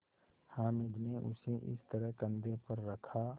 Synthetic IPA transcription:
hãːmɪd͡ʒneʔʊ̰seʔɪ̰st̪əɾəɦkə̃nd̪epɐɾːɐkʰa

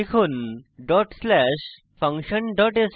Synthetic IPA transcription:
ekʰunɖɔʈslɛʃ | pʰɐŋʃənɖɔʈes

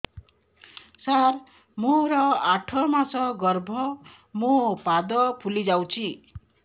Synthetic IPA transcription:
sar | moɾʌaʈʰʌmasʌɡʌrbʱʌ | mopad̪ʌpʰulid͡zawt͡sʰi

